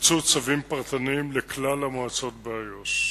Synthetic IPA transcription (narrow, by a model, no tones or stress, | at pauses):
t͡sut͡savimpaʁt̪animleklalhamoat͡so̞t̪beajoʃ